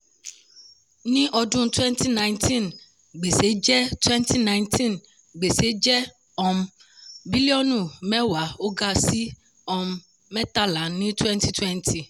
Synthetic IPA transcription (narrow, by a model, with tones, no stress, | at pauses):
nĩ˦ʔɔ˨dũ˦n˦twɛ̃˦ntʰi˦nã˨ntʰĩ˦n | ɡ͡be˨se˨˦d͡ʒɛ˦twɛ˦ntʰi˦nã˨ɪ̃˨ntʰĩ˦n | ɡ͡be˨se˦d͡ʒɛ˦ | ɔ˨mbi˦li˦ɔ˦nũ˨mɛ̃˦wa˨o˦ɡa˦si˦ | ɔ˨mː | ɛ̃˦t̪a˦lã˨nĩ˦twɛ˦ntʰi˦tʰwɛ˦ntʰi˨